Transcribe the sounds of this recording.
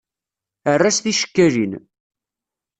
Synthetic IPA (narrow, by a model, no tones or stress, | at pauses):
ərːasθiʃə̥kːæɾin